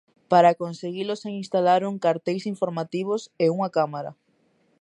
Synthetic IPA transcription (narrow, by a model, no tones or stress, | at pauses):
paɾakonseɣiloseŋĩnst̪alaɾuŋkaɾt̪ejsiɱfoɾmat̪iβ̞oseuŋakamaɾɐ̰